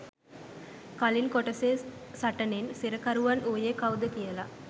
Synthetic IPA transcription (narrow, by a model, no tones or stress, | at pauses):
kalinkoʈɐseː | saʈənensiɾəkaɾuʋanʔuːjeːkawd̪ət̪ijəla